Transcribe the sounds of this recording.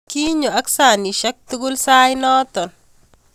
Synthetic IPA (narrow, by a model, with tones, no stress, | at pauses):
kiː˦ɲɔ˨ɐ˦ksaː˨ni˨ʃɐ˦k̚t̪ʊ˦ɡʊlsaː˦jnɔː˦t̪ɔn